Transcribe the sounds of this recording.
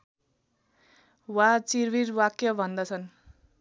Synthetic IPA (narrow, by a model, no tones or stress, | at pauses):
wat͡sirbiɾwakjʌbʱʌnd̪ʌt͡sʰʌn